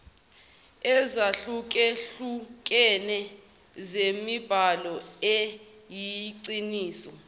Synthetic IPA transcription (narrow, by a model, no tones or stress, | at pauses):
ɛzaɬuk̬ɛɬukʼɛnɛ | zemib̥ʱalɔe | jiǀiniːsɔ